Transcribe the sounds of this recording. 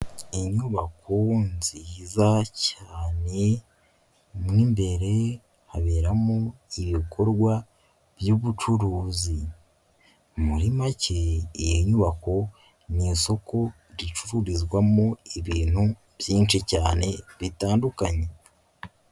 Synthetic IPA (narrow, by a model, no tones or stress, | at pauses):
iɲuβakʰonzizacaːne̞ | mŋimbe̞ɾe̞ | haβeːɾamoiβikʰo̞ɾɡwa | bjuβut͡ʃuɾuːzi | muɾimaceːjeɲuβako̞ | niːso̞ko̞ | ɾit͡ʃuɾuɾizɡwamoiβiːn̥hu | bjiːnt͡ʃicaːne̞βitaːndukaɲe̞